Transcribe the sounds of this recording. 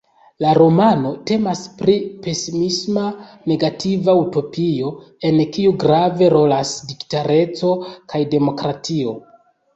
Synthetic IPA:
laɾo̞mano̞te̞maspɾipe̞simisma | ne̞ɡativauto̞pio̞e̞nkiuɡɾave̞ɾo̞lasdiktaɾe̞t͡so̞kʰajde̞mo̞kɾatʰio̞

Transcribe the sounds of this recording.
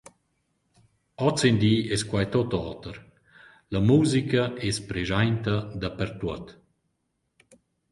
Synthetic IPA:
ɔt͡send̪iːɛskwajt̪ot̪ɔːt̪əɾ | lamuzikɐɛspɾeʒajnt̪ɐd̪apɛɾt̪uɔət̪

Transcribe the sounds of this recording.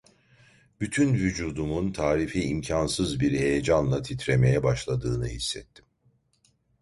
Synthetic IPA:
b̥yt̪ʰynvyd͡ʒuːd̪umunt̪ʰaːɾifiimcʰansɯzbiɾhe̞jed͡ʒanlˠat̪ʰit̪ɾe̞me̞jɛbaʃlˠad̪ɯːnɯhisːɛt̪ʰːim

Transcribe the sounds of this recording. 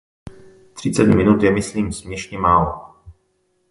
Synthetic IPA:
t̪r̝̥ɪt͡sɛdumɪnut̪jɛmɪsliːmsmɲɛʃɲɛmaːlo

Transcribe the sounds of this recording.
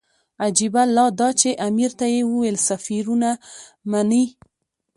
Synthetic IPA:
ad͡ʒibalːɑd̪ɑt͡ʃeʔamiɾt̪ajewuwelsafiɾunamani

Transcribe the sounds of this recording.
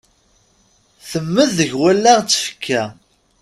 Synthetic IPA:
θəmːəðːəʝwælːæʁt͡sːə̥fə̥kʰːæ

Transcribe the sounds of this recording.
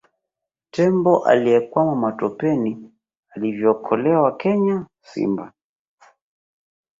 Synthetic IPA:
tɛmbɔʔa̰liɛkwamamatɔpɛni | alivjɔːkʰɔlɛwakɛɲa | sḭmba

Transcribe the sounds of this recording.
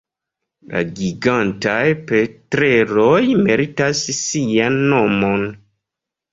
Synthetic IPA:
la̰ɡiɡantajpetɾeɾojmeɾitasːianːo̞mon

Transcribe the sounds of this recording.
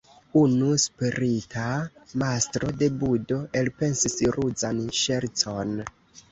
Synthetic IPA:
unuspiɾitʰamastɾo̞de̞budo̞ʔe̞lpe̞nsisɾʔud͡zanʃe̞ɾt͡so̞n

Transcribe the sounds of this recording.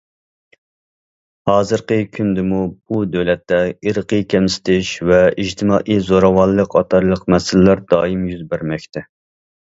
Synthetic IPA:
hɑːzɨɾqəkʲʰynd̪ɪmub̥ud̪øwlɛt̪ːɛiɾɨqʰəkʲʰɛmsɪ̥t̪ʰɪʃvɛid͡ʒt̪ʰɨmɑːʔizoɾɑwɑlːəqʰɑt̪ʰɑɾlˠəqmɛsɪlɪlæɾd̪ɑːimjyzbæɾmɛkʲt̪ɛ

